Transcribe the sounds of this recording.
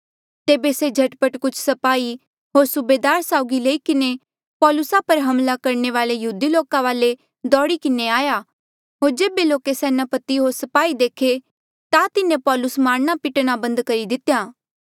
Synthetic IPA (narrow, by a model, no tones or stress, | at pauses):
t̪eːbesed͡ʒʱɐʈpəʈkʊt͡ʃʰsɐpaːi | ɦoːɾsʊbeːd̪aːɾsaːʊɡileːikɪne | pɔːlʊsapɐɾɦɐmlakɐɾɳeʋaːlejɐɦuːd̪iloːkãʋaːle | d̪ɔːɽikɪneaːja | ɦoːɾd͡ʒeːbeloːkesɛːnapɐt̪iɦoːɾsɐpaːid̪eːkʰe | t̪at̪ɪnẽpɔːlʊsmaːnnapɪʈnabɐ̃nd̪kɐɾid̪ɪt̪jaː